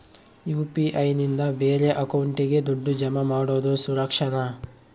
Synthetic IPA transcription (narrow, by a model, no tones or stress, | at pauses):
juːpiʔɐjnind̪ɐbeːɾe̞ʔɐkɐwuɳʈiɡe̞d̪uɖːud͡ʒɐmɐmaːɽoːd̪usuɾɐkʂɐnɐ